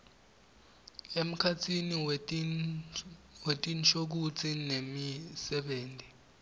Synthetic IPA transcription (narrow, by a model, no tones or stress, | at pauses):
em̩kʰatʰini | wetʼint͡ʃʰok̬ut͡sʰʼinemisɛɓeːntʼi